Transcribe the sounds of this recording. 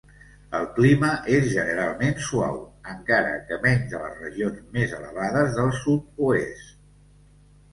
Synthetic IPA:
əlˠkliməʔezʒənəɾalˠmensua̰wəŋkaɾə̰kəmɛɲzðələ̰zrəʒionzmezələ̰βaðəzðəlˠsut̪̚uest̪

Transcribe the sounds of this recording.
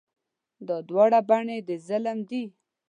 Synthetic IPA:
d̪ɑd̪wɑɽabaɳed̪əzaləmd̪i

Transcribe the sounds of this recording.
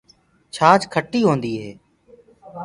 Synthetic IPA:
t͡ʃʰaːt͡ʃkʰəʈːiːɦoːnd̪iːɦeː

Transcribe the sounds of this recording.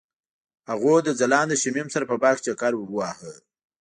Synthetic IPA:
haɣod̪əzalɑnd̪əʃɪmimsaɾapəbɑkt͡ʃakaɾwbwɑhə

